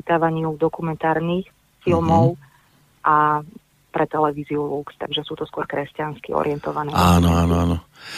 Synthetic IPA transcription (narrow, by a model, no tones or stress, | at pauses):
it̪aːʋaɲɪud̪ɔkumɛnt̪aːɾnix | filmɔʊ | ʔa | pɾɛt̪ɛlɛʋiːziulukst̪a̰ɡʒɛsuːt̪ɔskʊɔɾkɾɛscanskiɔ̰ɾɪɛnt̪ɔʋanɛːaːnɔaːnɔaːnɔ